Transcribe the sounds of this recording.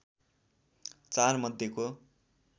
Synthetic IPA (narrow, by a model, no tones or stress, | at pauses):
t͡sarmʌd̪ʱjeko